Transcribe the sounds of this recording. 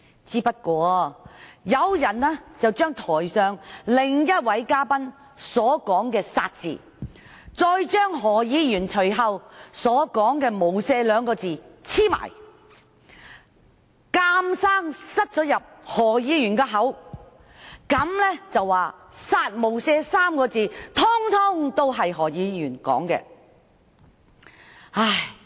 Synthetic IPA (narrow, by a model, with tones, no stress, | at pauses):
t͡siː˥pɐ˥t̚kʷɔː˧ | jɐ˨˧wjɐ˨˩nɛː˥t͡sɐ˨wt͡ʃœː˥ŋt̪ʰɔː˨˩jsœː˨˧ŋlɪ˨ŋjɐ˥t̚wɐ˨˥jkaː˥pɐ˥n | sɔː˨˥kɔː˨˥ŋkɛː˧sa̰ː˧t̚t͡sḭː˨ | t͡sɔː˧jt͡ʃœː˥ŋɦɔː˨˩jiː˨˧jyː˨˩nt͡ʃʰɵ˨˩ɥɦɐ˨wsɔː˨˥kɔː˨˥ŋkɛː˧mo˨˩wsɛː˧lœː˨˧ŋkɔː˧t͡siː˨t͡sʰiː˥ma̰ː˨˩j | kaː˧msaː˥ŋsɐ˥t̚t͡sɔː˨˥jɐ˨p̚hɔː˨˩jiː˨˧jyː˨˩nkɛː˧ɦɐ˨˥w | kɐ˨˥mlɛ˥t͡sɐ˨wːaː˨saː˧t̚mo˨˩wsɛː˧saː˥mkɔː˧t͡siː˨˧t̪ʰʊ˥ŋt̪ʰʊ˥ŋt̪o˥wɦɐ˨jɦɔː˨˩jiː˨˧jyː˨˩nkɔ̰ː˨˥ŋkɛ̰ː˧ | ha˧˥˩j